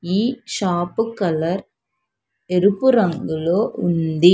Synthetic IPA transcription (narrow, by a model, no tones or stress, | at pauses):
iːʃaːpːɯkːɐlɐɾ | ɛɾɯpːɯɾɐŋɡɪɭoːʔʊnd̪i